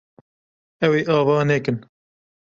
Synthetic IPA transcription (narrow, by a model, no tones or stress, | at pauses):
ɛweːʔɑːvɑːnɛkɨn